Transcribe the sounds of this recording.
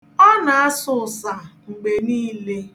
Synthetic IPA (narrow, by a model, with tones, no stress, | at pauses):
ɔ˦na˨a˦sʊ˦˨sa˨ŋ͡m̩˨ɡ͡be˨niː˦le˦